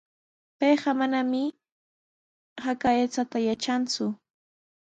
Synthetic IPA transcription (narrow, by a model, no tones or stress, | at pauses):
pejɢɑmanamɪ | hakaet͡sat̪ajat͡ʃant͡sʊ